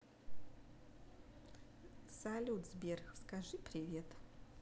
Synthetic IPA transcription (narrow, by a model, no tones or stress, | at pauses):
salʲut̪zbʲerxskaʐɨpɾʲɪvʲet̪